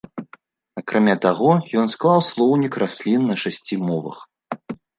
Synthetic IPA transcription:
akɾamʲat̪aɣɔjɔnsklˠawslˠɔwnʲikrasʲlʲinːɐʂasʲt͡sʲimɔvɐ̰x

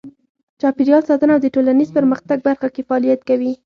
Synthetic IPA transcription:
t͡ʃɑpiɾijɑlsɑt̪ənaːwd̪əʈolanizpəɾməxt̪aɡ̚baɾxakefaɑlijat̪kawi

